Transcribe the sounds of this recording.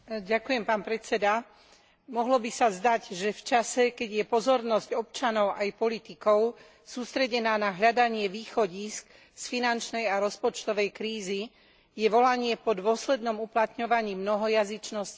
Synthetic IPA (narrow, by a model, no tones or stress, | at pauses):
ɟakujɛmpaːnpɾɛt͡sɛd̪a | mɔɦlɔbisazd̪aɟʒɛft͡ʃasɛkɛɟjɛpɔzɔɾnɔzɟɔp̚t͡ʃanɔʊʔajpɔlit̪ikɔʊ | suːst̪ɾɛɟɛnaːnaɦʎad̪aɲɪɛʋiːxɔɟiːsk | sfinant͡ʃnɛjaɾɔspɔt͡ʃt̪ɔʋɛjkɾiːzi | jɛʋɔlaɲɪɛpɔd̪ʊɔslɛd̪nɔmuplat̪ɲɔʋaɲiːmnɔɦɔjazit͡ʃnɔsci̥